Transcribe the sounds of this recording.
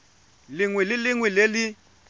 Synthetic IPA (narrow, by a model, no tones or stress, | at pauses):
liŋwililiŋwileli